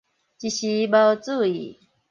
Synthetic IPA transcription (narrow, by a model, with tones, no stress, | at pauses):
t͡ɕi˧ɕi˧˦bə˧t͡su˥˧ḭ˨